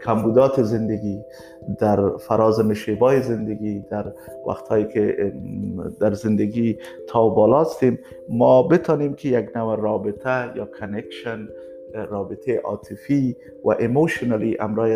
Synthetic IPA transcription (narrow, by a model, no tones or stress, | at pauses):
kʰambud̪ɔt̪ɪzɪnd̪aɡi | d̪aɾfaɾɑzɪmɪʃebɔjezɪnd̪aɡid̪aɾ | wa̰xt̪hɔjeke | d̪aɾzɪnd̪aɡi | t̪ʰɒwbɔlɔst̪emː | ɔbɪt̪ɔnemkʰɪjaɡnawaɾɑbɪt̪ʰajɑkʰanekʃan | ɾɑbɪt̪ʰeʔɑ̰t̪ʰɪfi | wa̰ʔemoʃonaliʔa̰mɾɔj